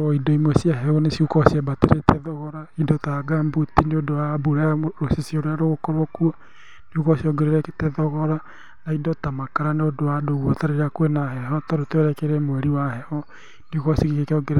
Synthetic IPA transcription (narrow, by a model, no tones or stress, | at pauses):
ɔidɔimwɔsiaɦɛɔnesiukɔsiɛbateɾetɛðɔɣɔɾaidɔtaɡambutineodowabuɾeɾosisioɾoaɾoɣokɔɾwɔkua | neukɔsiɔɡeɾeɾɛktɛðɔɣɔɾa | naidɔtamakaɾaneodowadoɣwɔtaɾeɾakwenahɛɦɔtɔɾotɛɾɛkɛɾɛmwɛɾiwahɛhɔ | niukɔsikikekeɔɡeɾ